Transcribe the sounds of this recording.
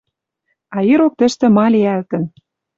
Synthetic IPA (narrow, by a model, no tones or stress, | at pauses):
ɑiɾok̚t̪ə̆ʃt̪ĕmɑlʲiælt̪ə̆n